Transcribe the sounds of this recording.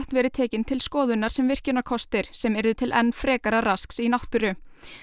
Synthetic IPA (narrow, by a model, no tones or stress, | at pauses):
ht̪nvɛːɾʏt̪ʰɛːcɪnt̪ʰɪlskɔːðʏnːaɾ̥sɛmvɪr̥cɪnːaɾkʰɔst̪ɪɾ̥sɛmɛɾðʏt̪ʰɪlʔɛ̰nːfɾɛːkaɾaɾasksinaht̪ʏɾʏ